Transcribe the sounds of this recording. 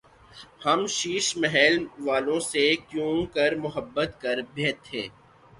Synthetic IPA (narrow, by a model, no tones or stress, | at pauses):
hɐmʃiːʃmɛɦɛːlʋaːlõsekjũːkɐɾmʊɦəbːət̪kɐɾbʱeːt̪ʰɦeː